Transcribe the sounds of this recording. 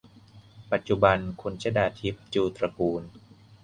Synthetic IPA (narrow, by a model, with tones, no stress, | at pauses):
pa˨˩t̪̚t͡ɕu˧ba˧nkʰu˧nt͡ɕʰa˦˥daː˧t̪ʰi˦˥p̚t͡ɕuː˧t̪ɾa˧kuː˧n